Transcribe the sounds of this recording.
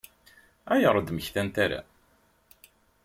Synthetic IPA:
æjəɾˤəd̪məçθænt̪æɾa̰

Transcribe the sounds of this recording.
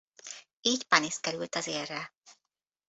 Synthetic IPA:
iːcpɒniskɛɾylt̪ɒzeːrːɛ

